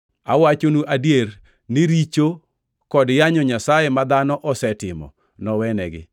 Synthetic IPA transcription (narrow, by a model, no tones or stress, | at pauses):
awat͡ʃonuʔadjer | niɾit͡ʃo | kɔdjaɲɔɲasajemad̪anɔʔɔsɛtɪmɔ̰ | nɔwɛnɛ̰ɡɪ̰